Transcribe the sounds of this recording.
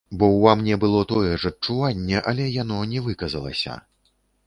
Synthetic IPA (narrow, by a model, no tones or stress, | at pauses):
bɔwvamnʲɛbɨlˠɔt̪ɔjɛʐɐt͡ʂt͡ʂuvanʲːɛʔɐlʲɛjanɔnʲɛvɨkɐzɐlˠɐ̰sʲɐ̰